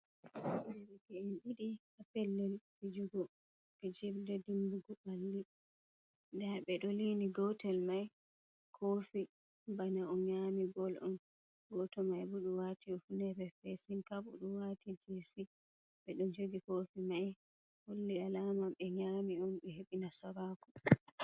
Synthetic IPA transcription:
nɛɾɛkɛinɗiɗihapɛlːɛlbɛd͡ʒuɡɔ | ɓɛd͡ʒɛbdɛdimbuɡubalːi | ndɛɓɛɗɔliniɡɔwtɛlmaj | kʰoːfi | banaɔmɲamiɡɔlʔɔ̰m | ɡɔtɔmajbuɗuwatiɔfunɛbɛfɛsinkabṵɗuwatid͡ʒesi | ɓɛɗɔnd͡ʒoɡikoːfimaj | holːialamaɓɛɲamiɔmɓɛɦeɓinasabaːkɔ

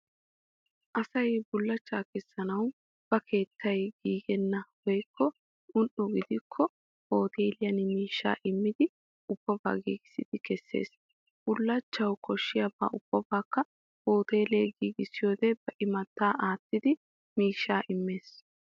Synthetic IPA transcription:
ʔɐsɐjbʊlːɐt͡ʃːaːkɛsːɐnɐw | b̥ɐkʰe̞ːt̪ʰːɐjɡiːɡɛnːɐwɔjkʰːɔ | ʔʊnʔʊɡɪd̪ɪkʰːɔ | hoːt̪eːlɪjɐnmiːʃːa̰ːʔɪmːɪd̪ɪ | ʊb̥ːɔba̰ːɡiːɡɪsɪd̪̥ɪkɛsːḛːs | b̥ʊlːɐt͡ʃːɐwkɔʃːɪjɐba̰ːʊb̥ːɔbaːkːɐ | hoːt̪e̞ːleːɡiːɡɪsɪjo̞ːd̪ɛb̥ɐʔɪmɐt̪ːaːʔaːt̪ːɪd̪ɪ | miːʃːaːʔɪmːe̞ːs

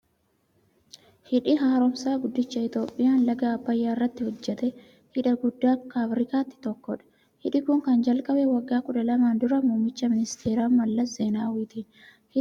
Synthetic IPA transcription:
hɪᶑɪɦaːɾɔmsaːɡʊd̪ːɪt͡ʃːɐɪt̪o̞ːpʼːɪjaːnlɐɡaːbːɐjːaːɪrːɐt̪ːɪhɔd͡ʒːɛt̪ɛ | hɪᶑɐɡʊd̪ːaːkːaːfɾɪkaːt̪ːɪ̥t̪ɔkːɔᶑɐ̥ | hɪᶑɪkʊŋkɐnd͡ʒɐlkʼɐbɛwɐɡːaːkʼʊᶑɐlɐmaːnd̪ʊɾɐmʊːmɪt͡ʃːɐmɪnɪst̪ʰe̞ːɾaːmmɐlːɐzeːnaːwiːt̪iːn | hɪ

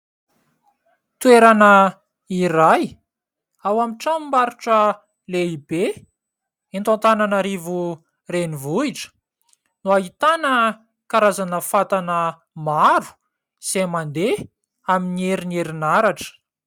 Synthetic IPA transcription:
t̪ueɾanə | iɾaj | awamiʈ͡ʂamimbaɾuʈ͡ʂə | leibe | ent̪ant̪ananaɾivu | renivuiʈ͡ʂə̥ | nuaɦit̪anə | kaɾazanəfat̪anə | maɾu̥ | z̥emand̪e | aminieɾineɾinaɾaʈ͡ʂə̥

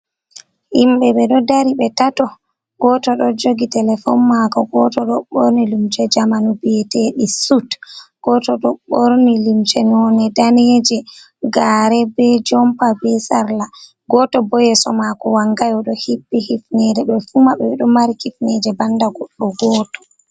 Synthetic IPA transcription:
himɓɛɓɛɗɔdaɾiɓɛtatɔ | ɡɔtɔɗɔd͡ʒoɡitɛlɛfɔnmakɔɡɔtɔɗɔɓoɾnilimt͡ʃɛd͡ʒamanubɛtɛɗisutɡ̥ɔtɔɗɔɓoɾnilimt͡ʃɛnɔnɛdanɛd͡ʒɛ | ɡaɾɛbɛd͡ʒɔmpabɛsaɾla | ɡɔtɔbɔjɛsɔmakɔwaŋɡajɔɗɔhibːihifnɛdɛɓɛfumaɓɛɗɔmaɾikifnɛd͡ʒɛbandaɡɔɗːɔɡɔːtɔ̥

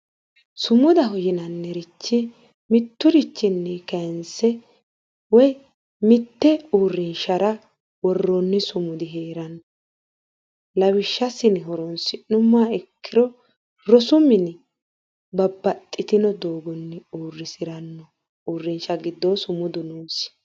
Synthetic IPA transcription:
sʊmʊd̪ɐɦɔjɪnɐnːɛɾɪt͡ʃːɪ | mɪt̪ːʊɾɪt͡ʃːɪnːɛkɐnsɛ | wɔj | mɪt̪ːɛuːrːɪnʃɐɾɐ | wɔrːɔnːɪsʊmʊd̪ɪɦeːɾɐnɔ | lɐwɪʃːɐsɪnɪɦɔɾɔnsɪnʊmːaːɛkʰːɪɾɔ | ɾɔsʊmɪnɪ | bɐbːɐt̪ʼːɪt̪ɪnɔd̪oːɡɔnːɪuːrːɪsɪɾɐnːɔ | uːrːɪnʃɐɡɪd̪ːosʊmʊd̪ʊnuːsɪ̥

